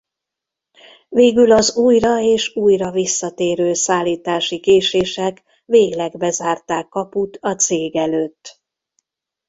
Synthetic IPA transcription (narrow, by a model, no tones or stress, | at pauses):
veːɡylɒzuːjrɒeːʃuːjrɒvisːɒt̪eːɾøːsaːlːiːt̪aːʃikeːʃeːʃɛk | veːɡlɛɡbɛzaːrt̪aːkːɒput̪ɒt̪seːɡɛløːt̪ː